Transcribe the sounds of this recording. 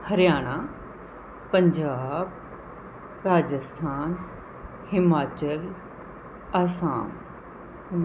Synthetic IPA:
həɾjaːɽ̃a | pəɲd͡ʒaːb | ɾaːd͡ʒəst̪ʰaːn | hɪmaːt͡ʃəl | aːsaːm | hɪm

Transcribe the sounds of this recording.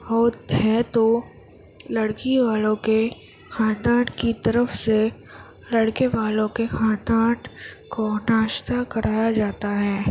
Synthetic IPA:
ɦɔːt̪hɛt̪o | lɐɽkiʋaːlõke | xʰãːd̪aːʈkit̪ɐɾəfse | lɐɽkeʋaːlõkexãːd̪aːɖkonaːʃt̪akɐɾʔaːjad͡ʒaːt̪aɦɛː

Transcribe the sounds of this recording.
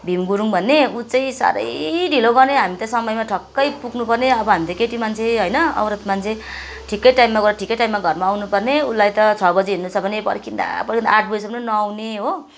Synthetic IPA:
bʱimɡuɾuŋbʱʌnːeut͡saĩsa̰ɾʌ̰jɖʱiloɡʌrneɦamit̪ʌsʌmʌjmaʈʰʌkːʌjpuɡnupʌrneʌbʌɦamit̪ʌkeʈimant͡sʰeɦʌjnʌʌ̰bɾʌt̪mant͡sʰe | ʈʰikːʌjʈajmːaɡɾʈʰikːʌjʈajmːaɡʱʌrmaːwnupʌrneulajt̪ʌt͡sʰʌbʌd͡zeɦinːut͡sʰʌbʱʌnepʌ̰rkʰind̪a̰pʌrkʰind̪a̰aʈ̚ʰbʌd͡zisʌbʌnenʌawneɦo

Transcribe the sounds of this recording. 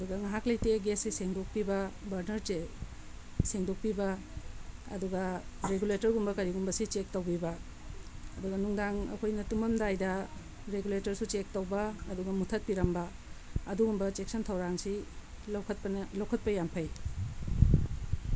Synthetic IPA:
ɐduɡɐŋaɦaklɐjteɡesiseŋdok̚pibɐbɐɾnɐɾt͡ʃe | seŋdok̚pibɐ | ɐ̰duɡɐɾeɡuletɐɾɡumbɐkɐɾiɡumbɐsit͡ʃek̚towbibɐ | ɐduɡɐnuŋdaŋɐ̰kʰojnɐtumɐmdajdɐ | ɾeɡuletɐɾsut͡ʃek̚towbɐːduɡɐmutʰɐt̚piɾɐmbɐː | duɡumbɐt͡ʃeksɐntʰɐwɾaŋsi | kʰt̚lɐwkʰɐt̚pɐjampʰɐj

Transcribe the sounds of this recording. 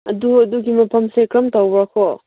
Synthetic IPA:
ɐduduɡimɐpʰɐmsekɾɐmtawbɾakʰɔ

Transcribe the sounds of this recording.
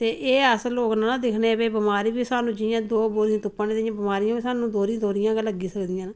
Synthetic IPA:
t̪eːʔeːəsəloːknaːnãːd̪ɪkʰneːbeːbɪmaːɾiːbiːsaːnũːd͡ʒɪjãːd̪oːboːɾijãːt̪ʊpːaːnẽːɪjãːbɪmaːɾijãːbiːsaːnũːd̪oːɾĩd̪oːɾɪjãːkləɡiːsəkd̪ɪjãːn

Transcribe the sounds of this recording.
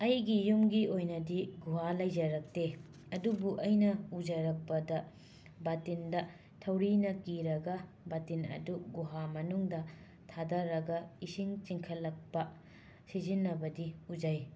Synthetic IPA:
ɐjɡijumɡiojnɐdiɡuɦalɐjd͡ʒɐɾɐk̚te | ɐdubuʔɐjnɐud͡ʒɐɾɐk̚pɐdɐ | batindɐ | tʰɐwɾinɐkiɾɐɡɐ | batinɐ̰duɡuɦamɐnuŋdɐ | tʰadɐɾɐɡɐisiŋt͡ʃiŋkʰɐlːɐk̚pɐ | sizinːɐbɐdiud͡ʒɐj

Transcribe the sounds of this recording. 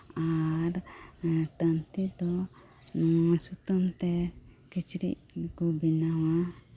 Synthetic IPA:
aɾ | t̪ənt̪id̪ɔ | nɔsut̪ɔmt̪ɛkit͡ʃɾḭʔ | ɡubinawa

